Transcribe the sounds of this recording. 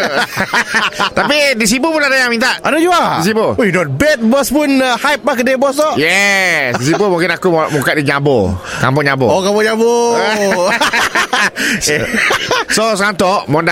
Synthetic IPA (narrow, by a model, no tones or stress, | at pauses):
t̪apidis̬ipupʊnadajaŋmint̪aʔadad͡ʒuadis̬ibujunɔt̪̚bɛt̪̚bɔspunhajp̚makədebɔst̪ɔʔjɛsdis̬ibumuŋkɪnakumukaʔdiɲabokampɔʔɲabɔ̰okambɔɲabo | sosəkant̪ɔʔmɔnda